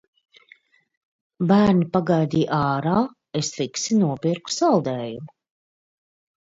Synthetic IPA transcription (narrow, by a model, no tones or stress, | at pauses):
bæːɾnipaɡajd̪iːjʔɑːɾaː | esliksinuɔpiɾku̥salˠd̪ɛːjumu